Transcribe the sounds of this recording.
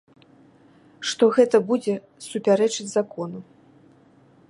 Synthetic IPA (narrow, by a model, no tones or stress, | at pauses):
ʂt̪ɔɣɛt̪ɐbud͡zʲɛ | supʲaɾɛt͡ʂɨd͡zʲzakɔnu